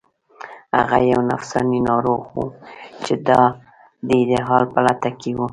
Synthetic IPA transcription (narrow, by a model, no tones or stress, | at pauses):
ha̰ɣajawna̰fsɑninɑɾoɣwṵt͡ʃed̪ɑ | d̪əd̪eɦɑlpəlat̪akewu